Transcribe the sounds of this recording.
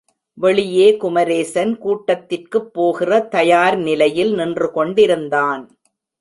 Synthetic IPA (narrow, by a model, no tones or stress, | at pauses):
ʋɛɭɪjeːkʊmɐɾeːsɐnkuːʈːɐt̪ːɪrkɯpːoːɣɪrɐt̪ɐjaːɾnɪlɐjɪlnɪndrɯkɔɳɖɪɾɯnd̪aːn